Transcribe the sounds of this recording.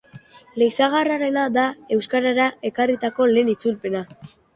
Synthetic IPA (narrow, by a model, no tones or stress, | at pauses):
le̞jsaɣaraɾe̞nad̪ae̞wskaɾaɾaʔe̞karit̪ako̞le̞ːnit͡sulpe̞na